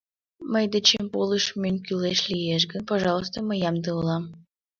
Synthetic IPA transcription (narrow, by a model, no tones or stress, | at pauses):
məjd̪et͡ɕempolˠəʃmʲenʲkʲyleʃlʲijeʃ̬ɡə̆npoʒɑlˠos̬t̪ŏməjɑmd̪ɤulˠɑm